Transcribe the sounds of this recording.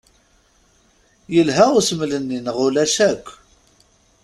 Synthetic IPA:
jəlɦæʊsəmlənːinʁʊlæʃækʷː

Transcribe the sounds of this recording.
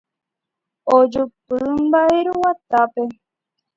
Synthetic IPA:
od͡ʒupɨmbaeɾuwat̪ape

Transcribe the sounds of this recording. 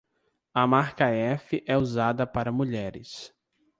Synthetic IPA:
ɐmaɾkɐɛfɪʔɛuzad̪ɐpaɾɐmuʎɛɾɪ̰s

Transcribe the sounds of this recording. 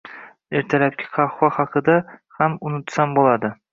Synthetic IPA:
eɾt̪ʰalap̚kʲʰɪ̥qʰɑχwɑhɑqɨd̪ahamʊnʊt̪sambolˠad̪ɪ

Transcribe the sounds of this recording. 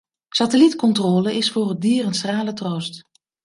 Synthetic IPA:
satəlitkɔntrɔːləɪsfʊːrədiːrənsraːlətrowst

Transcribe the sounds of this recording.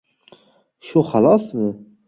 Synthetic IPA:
ʃuχɑlɑsmɨ

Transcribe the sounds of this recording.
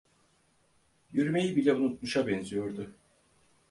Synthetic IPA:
jyɾyme̞jibilʲɛunut̪̚muʃabɛnzijo̞ɾd̪ʊ

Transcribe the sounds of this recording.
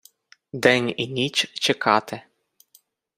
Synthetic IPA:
d̪ɛnʲinʲit͡ʃt͡ʃɛkʰɑt̪ɛ

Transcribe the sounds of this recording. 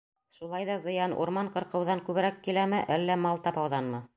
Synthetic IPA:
ʃulˠɑjðɑzɤ̆jɑnṵɾmɑɴqɤ̆ɾqɤ̆wðɑŋkʉβɘ̆ɾækːilæmɘʔælːæmɑlˠt̪ɑpɑwðɑnmɤ

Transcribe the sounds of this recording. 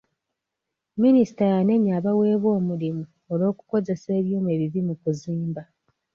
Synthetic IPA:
minisi̥tajane̞ɲaːβawe̞ːβwo̞ːmulimu | olo̞ːkuko̞ze̞se̞ːβjuːmue̞ːβivimukuziːmba

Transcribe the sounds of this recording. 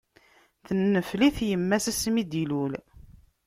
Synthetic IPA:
θənːəfliθjəmːæsæsmid̪ilul

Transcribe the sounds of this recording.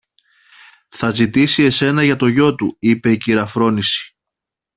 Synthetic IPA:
θɐzit̪isie̞se̞nɐʝɐt̪o̞ʝo̞t̪uipe̞iciɾɐfɾo̞nisi̥

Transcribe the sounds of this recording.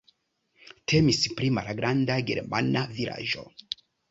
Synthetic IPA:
tʰe̞mispɾimalɡɾandaɡe̞̰ɾmanavila̰ʒo̞̰

